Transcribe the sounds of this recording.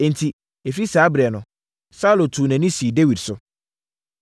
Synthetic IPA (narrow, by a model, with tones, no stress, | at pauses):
ɛ̃˨n̩˨tʰi˨ | e˨fi˦saː˨˦bɾɛ˨nʊ̃˨ | sa˦lo˨tʰu˨nɛ̃˨nĩ˦si˨de˦wi˨dsʊ˦